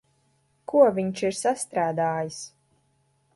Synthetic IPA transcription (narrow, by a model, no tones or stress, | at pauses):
kuɔvʲiɲt͡ʃiɾsast̪ɾaːd̪aːjis